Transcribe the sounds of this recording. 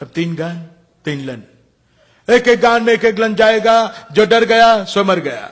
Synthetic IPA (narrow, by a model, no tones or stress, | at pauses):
ɐb̚t̪iːnɡãːn | t̪iːnlɐ̃nɖ | eːkek̚ɡãːnmẽeːkeːklɐ̃nd͡ʒaːeːɡad͡ʒoːɖɐɾɡɐjasemɐɾɡɐja̰ː